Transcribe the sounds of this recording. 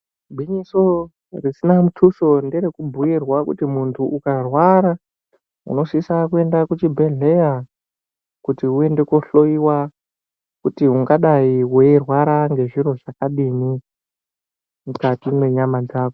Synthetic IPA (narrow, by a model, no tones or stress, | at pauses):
bʱiɲiso | risinamutʰuso̞ndeɾekubʱuirwakṵtimuntʰuʔukarwaɾa | ṵno̞sisakue̞ndakut͡ʃibʱe̞ɮe̞ja | kutiue̞nde̞koɬo̞iwa | kutiuŋɡaɗaiwerwaɾaŋɡe̞ʐiɾo̞ʐakaɗini | mukatinwe̞ɲamad͡zaːko